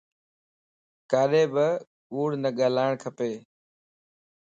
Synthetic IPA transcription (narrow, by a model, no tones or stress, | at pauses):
kaːɗeːbɪ | ɓuːɽnəɠaːlaːɪɳ̃kʰəpeː